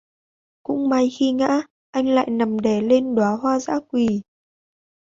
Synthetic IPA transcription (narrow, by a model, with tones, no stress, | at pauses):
kʊ̰˧˥ŋ͡mma˨˧˩jxi˧ŋa̰ː˧˥ | ʔa˧jŋ̟la̰ː˧˨jna˨˩mɗe˧˩le˧nɗwaː˨˦ɦwaː˧za̰ː˧˥kwi˨˩